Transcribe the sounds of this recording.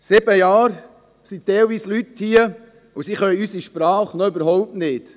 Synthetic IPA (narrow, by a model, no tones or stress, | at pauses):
sɪb̥əjɑːɾ | sit̪ɛjlviːslythiə | usiχœʏysiʃpɾɑːχnɔøbəɾɦɔʊp̚tnɪːt